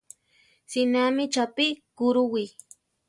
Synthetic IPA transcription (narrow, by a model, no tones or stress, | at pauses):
sɪnamɪt͡ʃapikʊɾʊwij